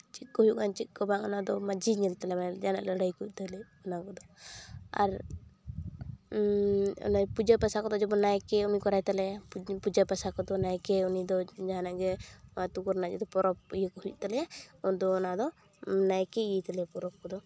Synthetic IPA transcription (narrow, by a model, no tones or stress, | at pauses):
t͡ʃit̪̚kɔɦujuʔant͡ʃit̪̚kɔbaʔɔnad̪ɔmad͡ʒiɲɛlt̪alɛmad͡ʒanaʔləɽajkuʔ̚t̪alɛɔnakɔd̪ɔ | a̰ɾ | ɔ̰najpud͡ʒapasakɔd̪ɔd͡ʒɔbɔnajkɛunikɔɾajt̪alɛjapud͡ʒapasakɔd̪ɔnajkɛunid̪ɔd͡ʒaɦanaʔɡɛat̪ukɔɾnad͡ʒɛd̪ɔpɔɾɔp̚ijəkɔɦuṵʔ̚t̪alɛjaɔnd̪ɔːnad̪ɔ | najkɛiet̪alɛapɔɾɔp̚kɔd̪ɔ